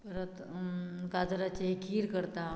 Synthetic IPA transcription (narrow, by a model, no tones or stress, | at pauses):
bɾət̪ | kad͡zɾat͡ɕeɦikʰiːɾkəɾt̪a